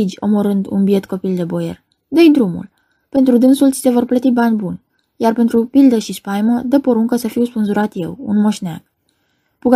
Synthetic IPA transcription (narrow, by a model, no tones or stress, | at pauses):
id͡ʒʲo̞̰mo̞ɾɨnd̪ṵnbie̞t̪ko̞pild̪e̞bo̞je̞̰r | d̪əjd̪ɾumṵl | pe̞nt̪ɾud̪ɨnsult͡ʃ̪i̥se̞vo̞rplət̪ibanʲbunʲ | jarpe̞nt̪ɾupild̪əʃispajməd̪əpo̞ɾuŋkəsəfiwspɨnzuɾat̪je̞̰wṵnmo̞ʃna̰ɡ̥ | puɡ